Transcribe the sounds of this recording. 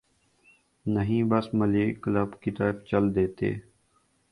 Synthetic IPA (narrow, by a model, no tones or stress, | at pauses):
nəɦĩːbəsməleːkləbkɪt̪aːbt͡ʃəld̪eːt̪ḛː